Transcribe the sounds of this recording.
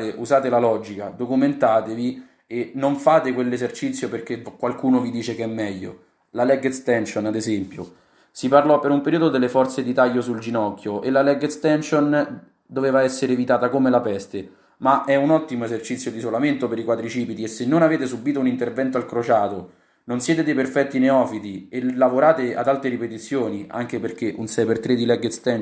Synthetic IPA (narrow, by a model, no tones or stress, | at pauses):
t̪eʔuzaːt̪elalɔd͡ʒika̰d̪okument̪aːt̪evi | enːoɱfaːt̪ekwelːezert͡ʃit̪sːjoperk̟ekːwalkuːnovid̪iːt͡ʃekɛmːɛʎːo̰ | lalɛɡet̪st̪ɛnt͡ʃonad̪ezɛmpjo | siparlɔpːeɾumpeɾiːod̪od̪elːefɔrt̪sed̪it̪aʎːosuld͡ʒinɔkːjoʔelalɛɡ̪st̪ɛnt͡ʃon | d̪oveːvaɛsːeɾeːvit̪aːt̪akomelapɛst̪e | maʔɛunɔt̪ːimoezert͡ʃit̪sːjod̪isolament̪opeɾikwaːt̪ɾit͡ʃiːpit̪iesːenːonaveːt̪esubiːt̪ounint̪ervɛnt̪oalkɾot͡ʃaːt̪o | nonsjɛːt̪ed̪eperfɛt̪ːineɔːfid̪ielavoɾaːt̪ea̰d̪alt̪ɾeɾipet̪it̪sːjoːnia̰ŋk̟eperk̟eʔunsɛjpert̪ɾed̪ilɛɡest̪ɛ